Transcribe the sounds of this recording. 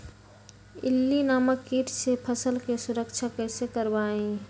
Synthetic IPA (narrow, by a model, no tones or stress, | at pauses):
ɪ̰lːinaːməkːiʈʰsepʰəsəlkesʊɾəkt͡ʃʰakəsekəɾbaːẽ